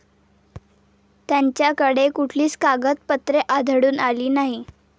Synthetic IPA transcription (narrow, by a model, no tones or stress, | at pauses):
t̪jaɲt͡ɕjakəɽekuʈʰliːt͡skaɡət̪̚pət̪ɾeʔad̪ʱəɽuːnaliːnaɦi